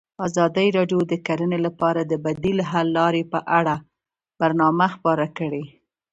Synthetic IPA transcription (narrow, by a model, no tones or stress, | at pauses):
ɑzɑd̪əjɾɑɖjod̪əkaɾənelapɑɾad̪əbad̪ilɦalːɑɾepəʔaɽa | b̥aɾnɑmaxpɑɾakəɽe